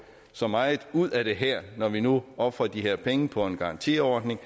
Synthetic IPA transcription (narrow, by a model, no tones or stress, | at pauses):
sɒ̽mɑ̈ɪð̩ˠuð̰ˠæɾ̥e̝ɦæɐ̰nɒʋinuɒ̽b̥fʁɐd̥iɦeɐ̰pʰeŋəpʰɒ̽e̝nɡ̥ɑ̈ɑ̈nt͡sʰḭɒːd̥ne̝ŋ